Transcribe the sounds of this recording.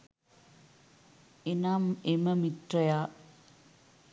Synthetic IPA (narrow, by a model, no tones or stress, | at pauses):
enaːmemɐmit̪rɐjaː